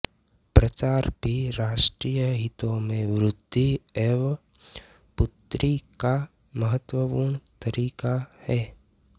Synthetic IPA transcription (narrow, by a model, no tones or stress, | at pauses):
pɾət͡ʃaːɾbʱiɾaːʃʈɾiːjəɦɪt̪õmẽʋɾʊd̪ʱːiɛʋ | pʊt̪ɾika | məɦət̪wəpuːɾɳ̃t̪əɾiːkahɛː